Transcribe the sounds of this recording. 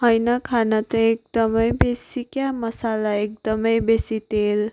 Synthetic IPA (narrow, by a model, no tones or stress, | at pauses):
ɦʌjnakʰanat̪ʌek̚d̪ʌmʌjbesikjamʌsalaek̚d̪ʌmʌjbesit̪el